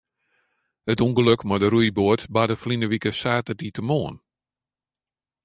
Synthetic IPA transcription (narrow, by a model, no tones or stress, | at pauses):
hətuŋɡəløkmadəɾujboətbadəflinəʋikəsaːtəditəmoːən